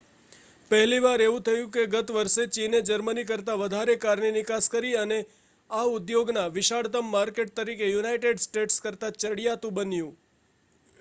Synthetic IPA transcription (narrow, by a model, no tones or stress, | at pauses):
pəɦliʋaɾeʋũt̪ʰəjũkeɡət̪ʋəɾʃet͡ʃined͡ʒəɾmənik̬əɾt̪aʋəd̪ʱaɾekaɾninɪkaskəɾiəne | aʊd̪joɡnaʋɪʃaɽt̪əmːaɾkeʈ̚t̪əɾikejunajʈeɖsʈeʈskəɾt̪at͡ʃəɽijat̪ũbənjũ